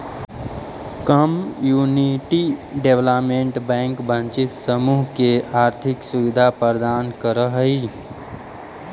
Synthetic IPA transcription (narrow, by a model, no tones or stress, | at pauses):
kəmjuniʈiɖeʋləpmeɳʈbɛ̃ŋkbʱə̃nt͡ʃit̪səmuɦkeaɾt̪ʰiksuʋid̪ʱapɾəɾd̪ankəɾəɦəi